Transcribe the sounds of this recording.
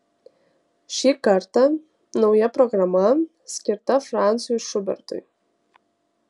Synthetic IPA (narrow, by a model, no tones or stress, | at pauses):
ʃikartʰa | nowjaproɡrama | skʲɪrt̪afrant͡sɨjuʂʊbɛ̰rtʰʼo̰j